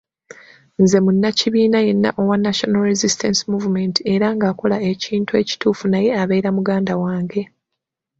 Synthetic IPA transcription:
nze̞munːaciβiːnaje̞nːa̰ʔo̞wanːaʃo̞nalɾezistensimuvume̞ntie̞ɾaŋɡaːko̞lae̞ciːntue̞ːci̥tuːfunaje̞aβe̞iɾamuɡaːndawaːŋɡe̞

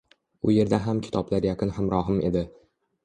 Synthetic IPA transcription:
ʊje̞ɾd̪aɦamkʲʰɪ̥t̪ʰɒblaɾjaqʰɨnhamɾɒɦɪmʔe̞̰d̪ɪ

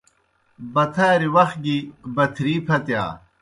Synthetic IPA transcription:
bɐt̪ʰaːɾiwɐx̚ɡibɐt̪ʰɾiːpʰɐt̪ja̰ː

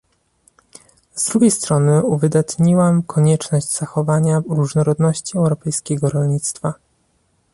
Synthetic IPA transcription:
zd̪ɾuɡʲejst̪ɾɔnɘuvɘd̪at̪ɲiwamkʰɔɲɛt͡ʂnɔʑd͡ʑz̥axɔvaɲaɾuʐnɔɾɔd̪nɔɕt͡ɕiɛwɾɔpɛjskʲɛɡɔɾɔlɲit̪st̪fa

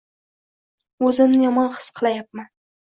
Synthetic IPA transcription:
ɵzɪmnɪjɒmɒnqʰɨ̥sqʰɨlˠajap̚man

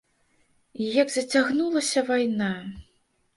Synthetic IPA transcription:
ijɐɡzɐt͡sʲaɣnulˠɐsʲɐvajna

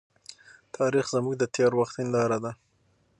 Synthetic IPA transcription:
t̪ʰɑɾixzəmuɡ̚d̪ət̪ʰeɾwaxt̪ɪnd̪ɑɾad̪a

